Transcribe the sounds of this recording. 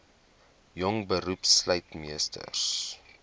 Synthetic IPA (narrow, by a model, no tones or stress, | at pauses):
jɔŋbəɾupsləjtmiəstʰə̰rs